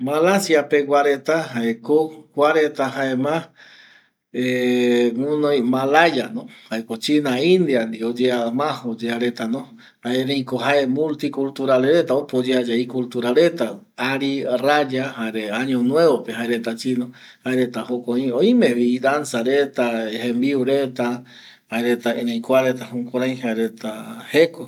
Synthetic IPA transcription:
malasiapeɡʷwaɾet̪aɦaekokʷaɾet̪aɦaemã | eŋũnõj̃malajanõhaekot͡ʃinaĩnd̪iand̪iod͡ʒeamãhod͡ʒeaɾe̞t̪anõ | haeɾẽj̃koɦaemũlt̪ikult̪uɾaleɾet̪aopod͡ʒead͡ʒeikult̪uɾaɾet̪a | aɾirad͡ʒahaeɾeãɲõnwẽβopeɦaeɾet̪at͡ʃino | haeɾet̪ahokoĩoĩmẽβid̪ansaɾet̪aɦẽmbiuɾet̪a | haeɾet̪aeɾẽjkʷaɾet̪ahũkoɾãj̃haeɾet̪aheko

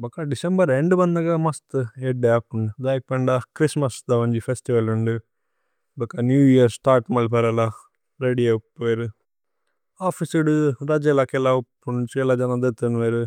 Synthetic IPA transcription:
bɐkɐɖisembɐɾeɳɖubɐnd̪ɐɡamɐst̪eɖaːpːuɳɖid̪aːjk̚pɐɳɖɐkɾismɐsd̪ɐʋɐɲd͡ʒipʰesʈiʋɐluɳɖi | bɐkːanjuːjiɐɾsʈaːɾʈmɐlpɐɾɐla | ɾeɖiepːɾu | aːpʰisuɽuɾɐd͡ʒelakɛlaupːunut͡ʃɛlad͡ʒɐnad̪ɐt̪ɐnʋeɾu

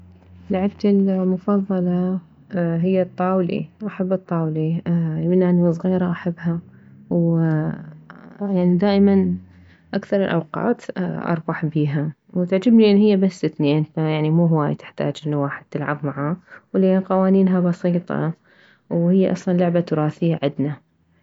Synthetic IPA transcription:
laʕɪbt̪ɪlmʊfɑðˤːɑlɑ | ɦɪjːat̪ˤːɑːwlḭwʔaħabːɨt̪ˤːɑːwlimɪnːʔaniwɨs̬ˤɣiːɾaʔaħabːhaw | jaʕnid̪aːʔɪman | ʔakθɑɾˤɪlʔa̰wqɑ̰ːt̪ʔɑ̰ɾˤbɑħbiːɦa | wt̪ɪʕd͡ʒɪbniʔɪnːhɪjːabasːɪt̪niʔɪnajaʕnimuːɦʊwaːjt̪ɪ̥ħt̪a̰ːd͡ʒʔɪnːwaːħɪd̪̥̚t̪ɪlʕa̰bmaʕaːwlːqɑwaːniːnɦabɑsiːt̪ˤɑ̰ | whɪjːaʔɑsˤlɑnlʊʕbat̪ʊɾˤɑːθɪjːaʕɪd̪na

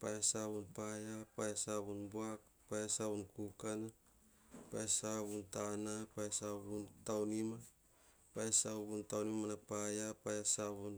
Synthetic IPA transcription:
pajasaβunpajapajasaβunbuak̚ | pajasaβunkukana | pajasaβuntanapajasaβuntawnima | pajasaβuntawnimanapajapajasaβun

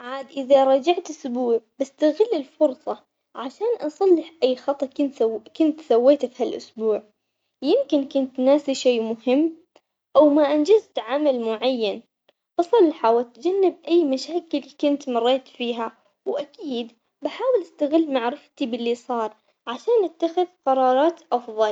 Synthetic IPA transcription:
ʕaːd̪ʔɪðaɾˤɑd͡ʒaʕt̪ɪsbuːʕbɪst̪aɣɪlːɪlfʊɾsˤɑ | ʕaʃaːnʔɑsˤɑlːɪħʔajːxɑt̪ˤɑɪnkʊnt̪sawːeːt̪fihalʔʊ̰sbuːʕ | jɪmkɪnkʊnt̪naːsiʃeːmʊhɪmː | ʔawmaʔand͡ʒɪzt̪ʕamalmʊʕajːan | bɑsˤɑlːħawɪt̪d͡ʒanːɪb̚ʔajːmaʃaːkɪlkʊnt̪mɑrˤːeːt̪fiːɦa | wʔakiːd̪ | baħaːwɪlʔɪst̪aɣɪlːmaʕɾɪft̪ibɪlːisˤɑːɾˤ | ʕaʃaːnʔat̪ːaxɪðqɑɾˤɑːɾˤɑːt̪ʔɑfðˤɑl

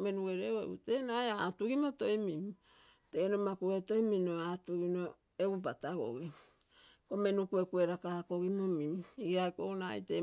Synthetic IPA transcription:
me̞nuɡe̞ɾeoḛute̞najaatuɡimoto̞jmimi | te̞ːnomakueto̞jminoatuɡino̞ | eɡubataɡo̰ɡi | kome̞nukue̞kue̞ɾakako̞ɡimomimiɡiajkona̰jte

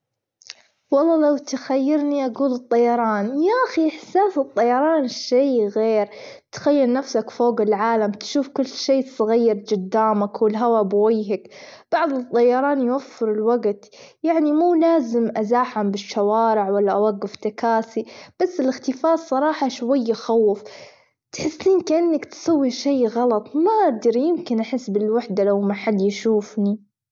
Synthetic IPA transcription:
wɑlˤːɑːlawt̪xajːɪɾniʔaɡuːlɨt̪ˤːɑjɑɾˤɑːnjaʔaxiʔɪħsaːsɨt̪ˤːɑjɑɾˤɑːnʃeːɣeːɾ | t̪xajːalnafsakfoːɡɪlʕaːlamt̪ʃuːfkʊlːʃeːsˤɨɣijːɪɾd͡ʒʊd̪ːaːmakwɪlɦawabwajɦakb̥ɑʕðˤɨt̪ˤːɑjɑɾˤɑːnjwafːɪɾɪlwaɡt̪ | jaʕnimuːlaːzɪmʔazaːħambɪʃːawɑːɾɪʕwalːaʔawaɡːɪft̪akaːsib̥asːɪlɪxt̪ɪfaːsˤɑɾˤɑːħɑʃwajːaxawːf | t̪ħɪsːiːnkʔɪnːakt̪sawːiʃeːɣɑlɑt̪ˤmaʔaɡd̪ɑɾjɪmkɪnʔaħɪsːbɪlwaħd̪alawmaħad̪ːjɪʃuːfni

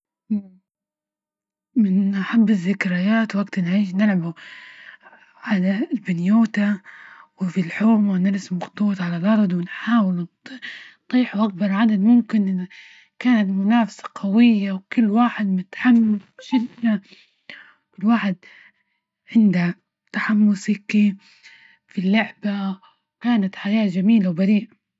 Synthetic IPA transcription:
mɪnʔaħabːɪzːɪkɾajaːt̪waɡt̪nʕiːʃ̬nɪlʕabu | ʕalalbɪnjoːt̪awɪfilħoːmwɪnɪɾˤsmɑxt̪ˤuːt̪ʕalalʔɑɾˤd̪ˤwɪnħaːwɪl | t̪ˤiːħuʔak̚bɑɾˤʕad̪ad̪mʊmkɪn | kaːnat̪mʊnaːfḁsḁqʰawɪjːawkʊlːwaːħɪd̪mɪt̪ħamːasʃɪd̪na | kʊlːwaːħɪd̪̚ | ʕɪnd̪a | t̪aħamːʊsɪki | filːʊʕba | kaːnat̪ħajaːd͡ʒamiːlawbaɾiːʔ

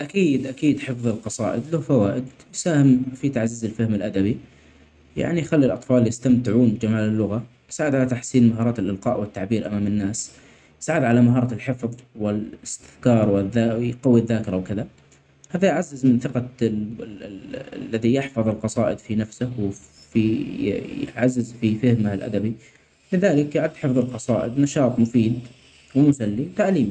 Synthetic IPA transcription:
ʔakiːd̪ʔakiːd̪ħɪfðˤɨlqɑsˤɑ̰ːʔɪd̪lahfawaːʔɪd̪ | jsaːhɪmfit̪aʕziːzɪlfahmɪlʔad̪abi | ja̰ʕnijxalːilʔɑt̪ˤfɑːljɪst̪amt̪ɪʕuːnd͡ʒamaːlɪlːʊɣa | jɪ̥saːʕɪd̪ʕalat̪aħsiːnmaɦɑːɾˤɑːt̪ɪlʔɪlqɑ̰ːʔwɪt̪ːaʕbiːɾʔa̰maːmɪnːaːs | jɪsaːʕɪd̪ʕalamaɦɑːɾˤɑɪlħɪfðˤwɪlɪst̪ɪθkɑːɾˤwɪðaqɑwːiðːaːkɪɾˤɑwkɪða | haːðajʕazːɪzmɪnθɪqɑ | lːaðijɪħfɑðˤɪlqɑsˤɑːʔɪd̪finafsɪhw | fi | ʕazːɪzfifɪhmahɪlʔa̰d̪abi | lɪðaːlɪkjʕad̪ːħɪfðˤɨlqɑsˤɑːʔɪd̪nɑʃɑːt̪ˤmʊfiːd̪ | wɪmʊsalːiwt̪aʔliːmi

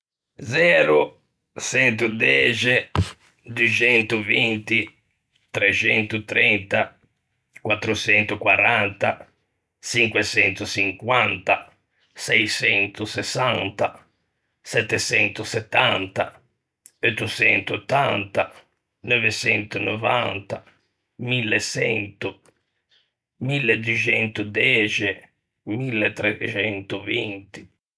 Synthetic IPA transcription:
zɛːɾu | sɛnt̪̬ud̪ɛd͡ʒe | d̪ut͡ʃɛnt̪uvint̪i | t̪ɾɛt͡ʃɛnt̪ut̪ɾɛnt̪a | kwat̪ːɾut͡ʃɛnt̪ukwaɾant̪a | t͡ʃiŋkwet͡ʃɛnt̪usiŋkwant̪a | sɛjsɛnt̪usɛsːant̪a | sɛt̪ːɛsɛnt̪usɛt̪ːant̪a | ot̪ːut͡ʃɛnt̪uot̪ːa̰nt̪a | novet͡ʃɛnt̪uno̰va̰nt̪a | milːesɛ̰nt̪u | milːed̪wit͡ʃɛnt̪ud̪ɛt͡ʃɛ | milːet̪ːɾɛt͡ʃɛnt̪uvint̪i̥

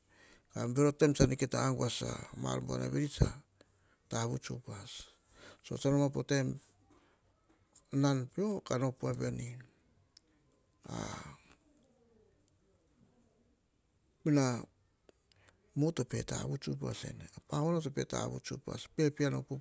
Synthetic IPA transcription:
kambeɾotemsaniketaːŋɡuasa̰ma̰lmbua̰na̰βeɾit͡ʃa | taβut͡ʃṵpasː | o̞̰t͡ʃanomapotem | nanpio̞kano̞puaβe̞ni | a̰ | mina | muto̞pe̞ta̰βut͡ʃup̬a̰se̞̰neapaŋonotope̞ta̰βṵt͡ʃupa̰spepiano̞pu

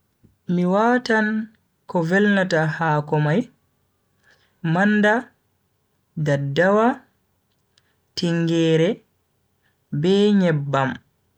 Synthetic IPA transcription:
miwaːtan | kɔvɛlnatahaːkɔmaj | manda | dadawa | tiŋɡɛːɾɛ | bɛːɲɛbːam

